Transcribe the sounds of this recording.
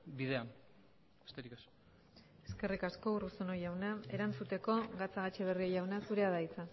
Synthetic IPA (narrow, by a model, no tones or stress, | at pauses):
biðe̞an | est̪eɾikes | e̞ske̞rikasko̞urusono̞jawnae̞ɾant͡sut̪e̞ko̞ɣat͡saɣat͡ʃeβ̞e̞riojawnasuɾe̞aðait͡sa